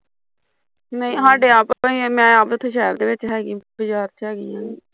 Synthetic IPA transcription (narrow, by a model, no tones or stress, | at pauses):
nəĩːɦaːɖeːaːpːimɛ̃ːaːpɪt̪ʰːõːʃ̬ɛːɾd̪eːʋɪt͡ʃɦɛːɡibɪt͡ʃaːɾt͡ʃɦɛːɡiːɦãːiː